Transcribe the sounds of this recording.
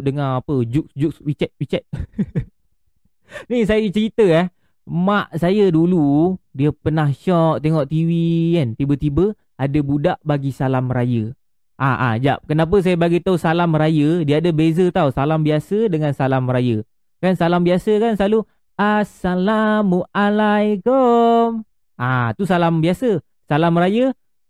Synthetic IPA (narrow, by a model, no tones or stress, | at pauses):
dəŋaŋapəd͡ʒuk̚d͡ʒukswit͡ʃɛt̪̚pit͡ʃɛt̪̚ | nisajət͡ʃəɾit̪əɛh | maʔsajəduludiəpənahʃɔʔt̪eŋɔʔt̪iwiant̪ibət̪ibə | adəbudaʔbaɡisalamɾajə | ʔaʔa̰d͡ʒa̰ʔ̚kənap̬əs̬ajəbaɡit̪ausalamɾajədiəadəbezət̪ausalambiasədəŋansalamrajə | kansalambiasəkansəlalu | asalamːuʔalajkom | ʔat̪usalambiasə | salamrajə